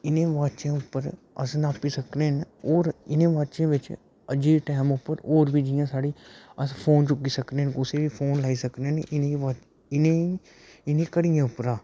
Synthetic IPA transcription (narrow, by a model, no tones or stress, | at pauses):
ɪnẽːʋaːd̪t͡ʃẽːʊpːəɾ | ə̰snaːpiːsəkneːnoːɾɪnẽːʋaːd̪t͡ʃẽːʋɪt͡ʃ | əd͡ʒiːʈɛːmʊpːəɾoːɾbiːd͡ʒɪjãːsaːɽiːəspʰoːnt͡ʃʊkːiːsəkneːnʊseːʋiːpʰoːnlaːiːsəkneneʔɪnẽːʋaː | ɪnẽi | ɪnẽːkəɽijãːʊpɾaː